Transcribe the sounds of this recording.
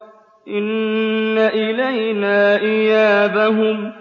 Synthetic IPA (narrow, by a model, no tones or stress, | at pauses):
ʔɪnːaʔɪlajnaːʔɪjaːbaɦʊm